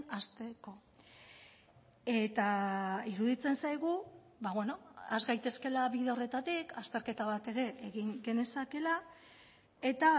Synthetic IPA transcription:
ast̪eko̞ | e̞t̪aiɾuðit͡se̞nsajɣu | βaβwe̞no̞azɣajt̪e̞ske̞laβiðeo̞re̞t̪at̪ikʰast̪e̞ɾke̞t̪aβat̪e̞ɾe̞ːɣiŋɡe̞ne̞sake̞la | e̞t̪a

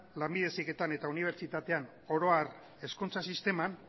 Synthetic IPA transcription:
lambiðe̞sike̞t̪ane̞t̪auniβ̞e̞ɾt͡ʃit̪at̪e̞an | o̞ɾo̞ar | e̞skunt͡sasist̪e̞man

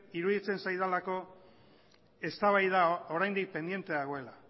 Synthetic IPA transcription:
iɾuðit͡se̞nsajðalako̞ | e̞st̪aβajðao̞ɾajnd̪ik̚pe̞nd̪je̞nt̪e̞ðaɣo̞e̞la

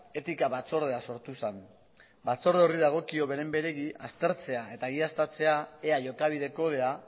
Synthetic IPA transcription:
e̞t̪ikaβat͡so̞ɾð̞e̞aso̞ɾt̪usan | bat͡so̞ɾðeoriðaɣ̞o̞kio̞βe̞ɾe̞mbe̞ɾe̞ɣiʔast̪e̞ɾt͡se̞ae̞t̪aɣiast̪at͡se̞aeaʝo̞kaβ̞ið̞e̞ko̞ðe̞a

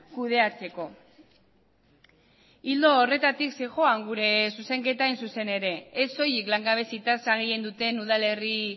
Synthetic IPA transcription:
kuð̞e̞at͡se̞ko̞ | ild̪o̞ːre̞t̪at̪ikseʝo̞aŋɡuɾe̞suse̞ŋke̞t̪aejnsuse̞ne̞ɾe̞ːso̞jiklaŋɡaβ̞e̞sit̪asaɣeje̞nd̪ut̪e̞nuðale̞ri

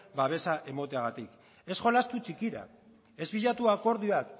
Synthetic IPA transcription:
baβ̞e̞saʔe̞mo̞t̪eaɣ̞at̪ik | e̞sʝo̞last̪ut͡ʃikiɾa̰ | e̞zβiʎat̪uako̞ɾðioak

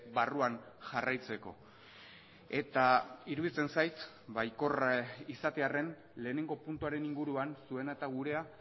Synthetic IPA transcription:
baruanʝarajt͡se̞ko̞̰ | e̞t̪aiɾuðit͡se̞nsajt̪ | bajko̞risat̪e̞are̞n | le̞ːne̞ŋɡo̞punt̪uaɾe̞niŋɡuɾuansue̞nat̪aɣuɾe̞a

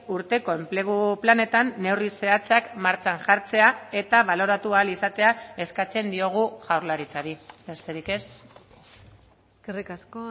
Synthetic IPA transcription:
uɾt̪e̞ko̞e̞mple̞ɣ̞uplane̞t̪anːe̞wrise̞at͡seakmaɾt͡saŋʝaɾt͡se̞ae̞t̪aβ̞alo̞ɾat̪uaːlisat̪e̞ae̞skat͡se̞nd̪io̞ɣ̞uʝawɾlaɾit͡saɾibe̞st̪e̞ɾike̞s | eskerikasko

